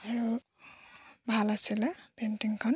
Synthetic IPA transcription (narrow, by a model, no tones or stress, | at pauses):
aɹu | bʱalasilɛpentiŋkʰɔn